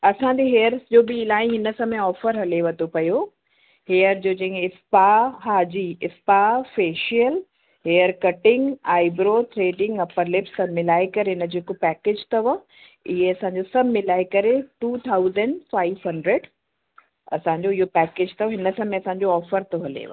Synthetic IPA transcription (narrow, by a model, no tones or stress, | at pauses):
ɐsãɲd͡ʑeɦeːəɾsd͡ʑoːbɪːlaːĩɦɪnə̆sɐ̃mẽɔːfəɾɦɐleʋɐt̪opɐjo | heːəɾd͡ʑoːd͡ʑɐ̃ɦɪ̃ɪspaɦaːd͡ʑiɪspafeːʃiəl | ɦeːəɾkɐʈɪ̃ŋɡaːɪbɾoːʈɾeːɖɪ̃ŋɡɐpəɾlɪpsɐmɪlaːekɐɾeɦɪnəd͡ʑeːkopɛːkeːd͡ʑt̪ɐʋa | ɪɦeɐsãːɲd͡ʑosɐbmɪlaːekɐɾeʈuːt̪ʰaːʊzəɳɖfaːɪʋɦɐ̃ɳɖɾeɖ | ɐsãːɲd͡ʑoɪɦopɛːkeːd͡ʑt̪ɐʋɦɪnəsɐ̃mẽɐsãːɲ̆d͡ʑoɔːfəɾt̪oɦɐlḛʋa̰